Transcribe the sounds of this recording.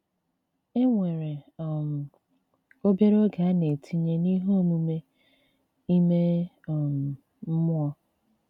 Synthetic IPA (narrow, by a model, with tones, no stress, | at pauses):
e˦ŋʷe˨ɾe˨m̩˨ | o˦bje˦ɾo˦ɡa˨˦ne˨tʰi˦ɲe˦ni˦ɦo˦˨mu˨me˦ | i˦me˦˨ | m˨ | m̩˦mʊ˦ɔ˦